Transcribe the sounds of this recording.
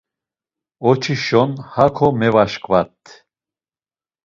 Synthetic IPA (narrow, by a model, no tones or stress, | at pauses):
ɔt͡ʃʰiʃɔnhakʰɔmɛvaʃkʰʼvat̪ʰʼ